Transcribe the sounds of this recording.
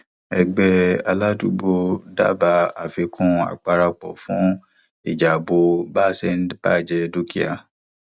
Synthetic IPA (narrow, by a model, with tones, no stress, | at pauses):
ɛ˧ɡ͡bɛ˧a˧la˦tu˦bo˧da̰˦˨ba˧˦a˨fi˧kʰũ˧˦a̰˨k͡pa˧ɾa˧k͡pɔ˨fũ˨˦ | i˨d͡ʒa˨bo˧ba˦sɛ˦n̩˦db̥a̰˦˨d͡ʒɛ˧do˦ki˦a̰˨